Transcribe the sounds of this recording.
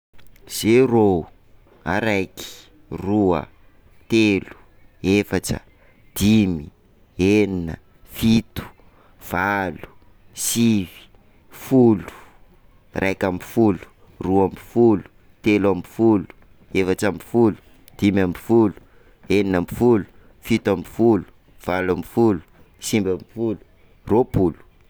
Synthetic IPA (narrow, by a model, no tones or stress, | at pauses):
z̥ero | a̰ɾajki̥ | ruə̰ | t̪elu̥ | efaʈ͡ʂə̰ | d̪̥imi | eninə̰ | fit̪u̥ | v̥alu̥ | sivi̥ | fulu̥ | rʔajkamifulu̥ | ruambifulu̥ | t̪elamifulu̥ | efaʈ͡ʂamifulu̥ | d̪̥imambifulu̥ | eninamifulu̥ | fit̪amifulu̥ | v̥alambifulu̥ | simbambifulu̥ | ropulu̥